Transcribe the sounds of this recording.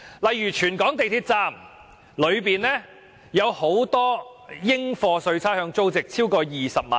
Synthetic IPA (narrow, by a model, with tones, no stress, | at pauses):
lɐ˨jːyː˨˩t͡ʃʰyː˨˩nkɔː˨˥ŋt̪e˨jt̪ʰiː˧t̚t͡saː˥m | lɵ˨˧ɥpiː˨nlɛː˥ | jɐ˨˧who˨˥wt̪ɔː˥jɪ˥ŋfɔː˧sɵ˧ɥt͡sʰaː˥hœː˧ŋt͡so˥wt͡sɪ˨k̚t͡sʰiː˥wkɔː˧jiː˨sɐ˨p̚ma̰ː˨